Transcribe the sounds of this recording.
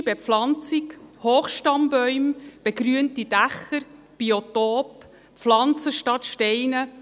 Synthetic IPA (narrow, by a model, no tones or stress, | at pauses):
b̥eflɑnt͡sikhoːχʃtɑmbœʏmb̥eɡɾyəntid̥æχəɾ | b̥iotoːp | flɑnt͡səʃtɑtʃtɛɪnə